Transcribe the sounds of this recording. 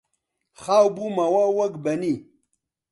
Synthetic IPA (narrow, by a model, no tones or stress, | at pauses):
χaːwbumawawɐɡbɐni